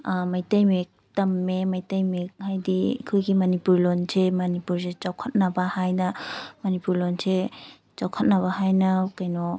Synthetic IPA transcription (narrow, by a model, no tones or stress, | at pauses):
amajtɐjmek̚tɐmːemajtɐjmek̚hajdḭkʰujɡimɐnipuɾlonsemɐnipuɾset͡ʃawkʰɐt̚nɐbɐhajnɐmɐnipuɾlonse | t͡ʃawkʰɐt̚nɐβɐhajnɐkajnɔ